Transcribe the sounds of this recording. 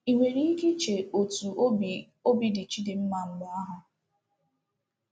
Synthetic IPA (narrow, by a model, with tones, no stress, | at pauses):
i˨ŋʷe˨ɾi˦i˦ke˦t͡ʃe˨o˨tu˨˦˨ | o˦bi˦dɪ˨t͡ʃi˦dɪ˨m̩˦ma˨m̩˦ma˦a˦ɦʊ˦